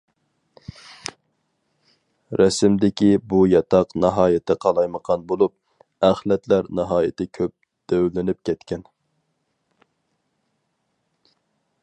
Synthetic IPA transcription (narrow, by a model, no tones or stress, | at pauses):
ɾɛsɪmd̪ɪkʲibujɑt̪ʰɑqnɑɦɑːjɪt̪ʰɪqʰɑlˠɑjməqʰɑnbolˠup̚ | æχlɛt̪læɾnɑɦɑːjɪt̪ʰɪkʲʰøp̚ | d̪̥øwlɪnɪp̚kʲɛt̪kʲʰɛn